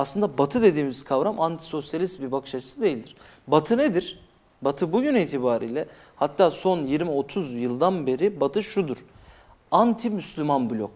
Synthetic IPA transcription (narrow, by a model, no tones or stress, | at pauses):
aslˠɯnd̪abat̪ʰɯd̪e̞d̪iːmiz̥kʰavɾamʔant̪ʰi̥so̞sjalʲist̪bibakʰɯʃat͡ʃʰɯ̥sɯd̪ejilʲd̪iɾ̥ | bat̪ʰɯned̪iɾ̥ | bat̪ʰɯbuɟyniːt̪ʰibaːɾḭːlʲɛ | hat̪ːaːso̞njiɾmio̞t̪ʰuzjɯlˠd̪anbe̞ɾibat̪ʰɯʃud̪uɾ̥ | ant̪ʰimyslʲymanbulʲok